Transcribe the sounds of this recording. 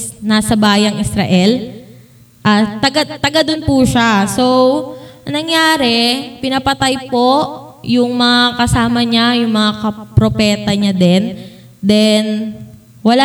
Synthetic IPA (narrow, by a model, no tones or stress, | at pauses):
nasɐbaːjɐŋɪsɾɐ̰ʔɛl | ʔat̪ɐɡat̪ɐɡad̪ʊnpuʃasownɐŋjaːɾɛpɪnɐpɐt̪ajpo̞ʔ | jʊŋmɐŋakɐsaːmɐɲajʊŋmɐŋakɐpɾopɛːt̪ɐɲad̪ɛn | d̪ɛn | wɐla